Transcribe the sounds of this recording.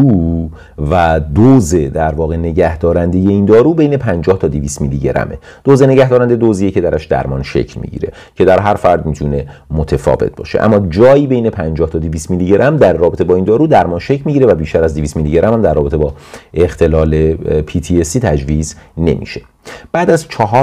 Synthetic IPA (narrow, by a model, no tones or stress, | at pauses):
uː | væd̪ozed̪æɾvɒːɣe̞ne̞ɟæhd̪ɒːɾænd̪e̞je̞iːnd̪ɒːɾuːbejne̞pʰænd͡ʒɒːht̪ʰɒːd̪iviːst̪miliɟeɾæ̰me̞̰ | d̪̥ozene̞ɟæhd̪ɒːɾænd̪ed̪ozijece̞d̪æɾʔæʃd̪æ̰ɾmɒːnʃe̞̰cʰlmḭɟḭɾe̞ | cʰe̞d̪æɾɦæɾfæɾd̪miːt̪ʰune̞mot̪ʰefɒ̰ːve̞̰t̪̚bɒ̰ːʃe̞̰ʔæ̰mːɒːd͡ʒɒːjiːbejne̞pʰænd͡ʒɒːht̪ʰɒːd̪iviːst̪miliɟe̞ɾʔæmd̪æɾrɒːbe̞t̪ʰebɒːind̪ɒːɾuːd̪æɾmɒːnʃecʰlmiːɟiɾevæbiːʃt̪ʰæɾæzd̪ivist̪miliɟeɾʔæmhæmd̪æɾrːɒːbe̞t̪ʰe̞bɒːext̪ʰe̞lɒːle̞pʰiːt̪ʰiesiːt̪ʰæd͡ʒviːzne̞̰mḭʃe̞ | b̥æːd̪æzt͡ʃʰɒɦɒː